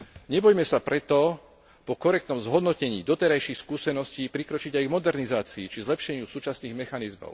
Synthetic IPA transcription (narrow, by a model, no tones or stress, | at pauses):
ɲɛbɔjmɛsapɾɛt̪ɔ | pɔkɔɾɛk̚t̪nɔmzɦɔd̪nɔcɛɲḭːd̪ɔt̪ɛɾajʃixskuːsɛnɔsciːpɾikɾɔt͡ʃiɟajɡmɔd̪ɛɾnizaːt͡siːt͡ʃizlɛpʃɛɲɪusuːt͡ʃasniːɣmɛxanizmɔ̰ʊ